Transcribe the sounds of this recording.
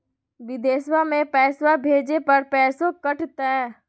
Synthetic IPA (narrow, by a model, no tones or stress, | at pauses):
ʋɪd̪eːswamẽpɛːswabʱeːd͡ʒepɐɾpɛːsõkɐʈt̪ɛː